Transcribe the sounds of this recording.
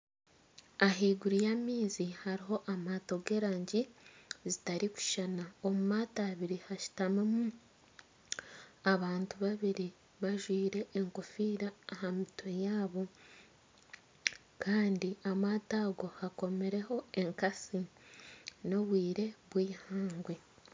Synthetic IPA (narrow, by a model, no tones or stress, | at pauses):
aɦiːɡuɾijamiːzihaɾiɦo̞ʔamaːto̞ɡe̞ɾaːɲɟizitaɾiku̥ʃanaomumaːtaːβiɾihaʃu̥tamemu | aβaːntuβaβiɾi | βaʒwiːɾe̞ːŋkofiːɾaːhamitʰojaːβo̞ | kaːndiamaːtaːɡo̞hako̞me̞ɾe̞ho̞e̞ŋkasi | no̞βwiːɾe̞βwiːhaːŋɡwe̞